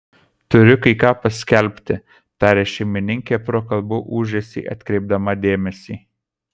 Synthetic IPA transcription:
t̪ʊɾʲʊkɐɪkɑːpɐsʲkʲɛlʲpʲt̪ʲɪ | t̪ɑːɾʲɛʃʲɛɪmʲɪnʲɪŋʲkʲeːpɾoːkɐlˠbuːʔuːʒʲɛsʲḭːʔɐ̰t̪ʲkɾʲɛɪb̚d̪ɐmɐd̪ʲeːmʲɛsʲiː

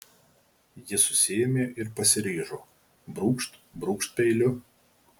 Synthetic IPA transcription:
jɪsʊsʲɪɛmʲeːʔɪɾpɐsʲɪɾʲiːʒoː | bɾuːkʃt̪bɾuːkʃt̪̚pʲɛɪlʲʊ

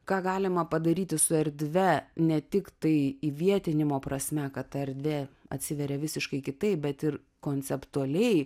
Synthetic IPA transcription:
kɑːɡɑːlʲɪmɐpɐd̪ɐɾʲiːt̪ʲɪsʊɛɾʲd̪ʲʋʲɛnʲɛt̪ʲɪkt̪ɐɪiʋʲiɛt̪ʲɪnʲɪmoːpɾɐsʲmʲɛkɐt̪ɐɛɾʲd̪ʲʋʲeɐ̰t̪ʲsʲɪʋʲɛɾʲɛʋʲɪsʲɪʃkɐɪkʲɪt̪ɐɪp̚bʲɛt̪ɪr | koːnʲt͡s̪ʲɛpt̪uɐlʲɛɪ

